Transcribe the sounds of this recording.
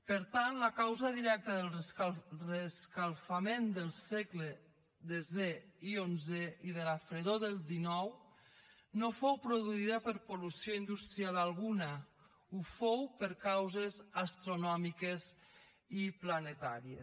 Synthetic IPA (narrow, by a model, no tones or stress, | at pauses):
pəɾt̪anləkawzəðiɾɛk̚t̪əðəlˠreskalˠfamend̪əlˠsɛkle | ðezeionzeiðelafɾeðoðəlˠd̪inɔw | nofowpɾoðuiðəpəɾpolusioind̪ust̪ɾialalˠɣunə | ufowpəɾkawzezast̪ɾonɔmikez | iplanet̪aɾiḛ